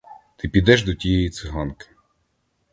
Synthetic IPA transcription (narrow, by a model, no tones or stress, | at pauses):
t̪ɪpʲid̪ɛʒd̪ɔtʲijɛjit̪sɪɦɑnkɪ̥